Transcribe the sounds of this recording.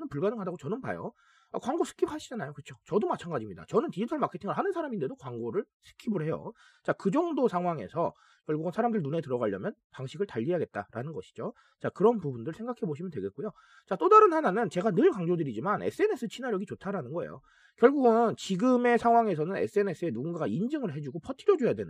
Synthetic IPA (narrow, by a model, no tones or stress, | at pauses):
nɯnpuɭɡanɯnɦadaɡot͡ɕʌnɯnpa̰jo̰ | a̰kwaŋɡosʰɯ̥kʰibhaɕʰid͡ʑanajokɯt͡ɕʰot͡ɕʌdomat͡ɕʰanɡad͡ʑimɲida̰t͡ɕʌnɯntid͡ʑitʰʌɭmakʰetʰiŋɯɭhanɯnsʰaɾaminde̞dokwaŋɡoɾɯɭ | sʰɯ̥kʰibɯɭhe̞jo̰ | t͡ɕakɯd͡ʑʌŋdosʰaŋɦwaŋe̞̰sʰʌ | kjʌɭɡuɡɯnsʰaɾamdɯɭnune̞tɯɾʌɣaʎːjʌmjʌnpaŋɕʰiɡɯɭtaʎːiɦaɡe̞t̚t͈aɾanɯnɡʌɕʰi̥d͡ʑo | t͡ɕakɯɾʌnpubundɯɭsʰe̞ŋɡakʰe̞boɕ̬ʰimjʌntwe̞ɡe̞t̚k͈ujo | t͡ɕat͈odaɾɯnhananɯnt͡ɕe̞ɡanɯɭkaŋd͡ʑodɯɾid͡ʑimanḛs͈ʰɯe̞ne̞s͈ʰɯt͡ɕʰinaɾjʌɡit͡ɕotʰaɾanɯnɡʌḛjo̰ | kjʌɭɡuɡɯnnt͡ɕiɡɯme̞sʰaŋɦwaŋe̞sʰʌnɯnḛs͈ɯe̞ne̞s͈ʰɯe̞nuɡunɡaaind͡ʑɯŋɯɭɦe̞d͡ʑuɡopʰʌtʰiɾjʌd͡ʑojadwe̞n